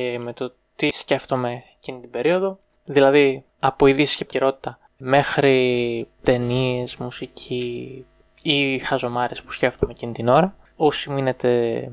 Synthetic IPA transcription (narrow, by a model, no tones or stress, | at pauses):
eme̞t̪o̞ | t̪isce̞ft̪o̞me̞ | cinit̪ibe̞ɾio̞ðo̞ | ðilɐði | ɐpo̞iðisi̥scep̪iɾo̞t̪i̥t̪ɐ | me̞xɾit̪e̞nie̞zmusicʰiː | xɐzo̞mɐɾespu̥sce̞ft̪o̞me̞cinit̪ino̞ɾɐ | osimuine̞t̪e̞